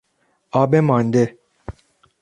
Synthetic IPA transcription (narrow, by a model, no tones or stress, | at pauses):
aːbemãːnd̪e